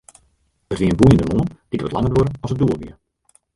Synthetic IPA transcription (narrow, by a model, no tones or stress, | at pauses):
ərʋiənbujəndəmoŋənd̥itə̰tlɑŋətʋoɾənɔlˠsəduːəlˠʋiə